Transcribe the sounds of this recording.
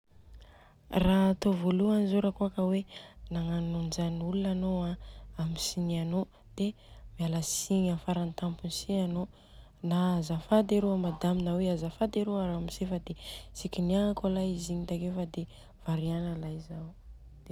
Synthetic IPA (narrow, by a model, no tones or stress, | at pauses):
rat̪ovoluanizoɾəkuakəwenaŋanund͡ʒanulunanoãamisiniano | d̪̥emialasiɲafaɾant̪ampunsiɲano | naazafad̪eɾoamad̪aminaweazafad̪eɾoaɾamisefəd̪esikʲiniaŋakalajiziɲit̪akefəd̪e | v̥aɾianəlajzaw | d̪̥e